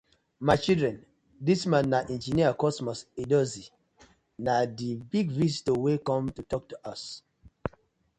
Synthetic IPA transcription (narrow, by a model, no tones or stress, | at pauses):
maɪt͡ʃildɹɛ̃n | dismãnːaʔɛ̃nd͡ʒiniakɔsmɔsidɔzi | nadibiɡɹisitowekɔ̃mtutɔk̚tuʔas